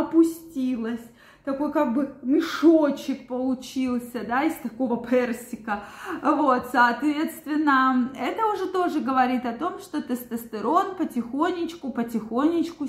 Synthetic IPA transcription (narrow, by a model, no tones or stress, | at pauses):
ɐpʊsʲtʲilˠəsʲ | t̪ɐko̞jkaɡ̚bɨmʲɪʂot͡ɕɪk̚pəlˠʊt͡ɕilˠsʲəd̪aɪsʲt̪ɐko̞vəpʰɛrsʲɪkəvo̞t̪sɐɐt̪vʲe̞t̪st̪vʲɪnːəɛt̪əʊʐɛt̪o̞ʐɨɡəvɐɾʲit̪ɐt̪o̞mʂt̪o̞t̪əst̪əst̪ɨɾo̞npətʲɪxo̞nʲːɪt͡ɕkʊpətʲɪxonʲːɪt͡ɕkʊ